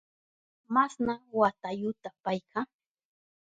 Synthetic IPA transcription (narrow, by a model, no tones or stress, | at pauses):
masnawat̪ajʊt̪apajka